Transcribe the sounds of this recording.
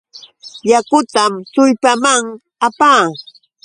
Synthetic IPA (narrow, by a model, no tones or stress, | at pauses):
jakʊt̪amt̪ʊʎpamaŋ | apaː